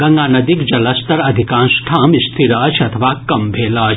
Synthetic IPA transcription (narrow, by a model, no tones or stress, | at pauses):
ɡɐŋɡaːnɐd̪ikd͡ʒɐlɐst̪ɐɾɐd̪ʱikãːnsʈʰaːmist̪ʰiɾaːt͡ʃʰɐt̪ʰɐʋaːkɐmbʱeːlaːt͡ʃ